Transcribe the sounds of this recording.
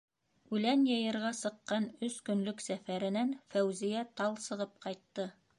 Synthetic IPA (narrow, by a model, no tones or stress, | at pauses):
ʉlænjɤ̆jɤ̆ɾʁɑsɤ̆qːɑnɵskɵ̆nlɵksæfæɾɘ̆nænfæwzijæt̪ɑlˠsɤ̆ʁɤp̚qɑjt̪ːɤ